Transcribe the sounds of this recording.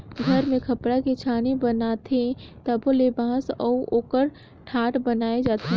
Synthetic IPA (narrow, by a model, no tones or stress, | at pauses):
ɡʱɐɾmẽkʰɐpɽaket͡ʃʰaːnebɐnaːt̪ʰet̪ɐbolebãːsɔːuoːkəɾ | ʈʰaːʈbɐnaːed͡ʒaːt̪ʰe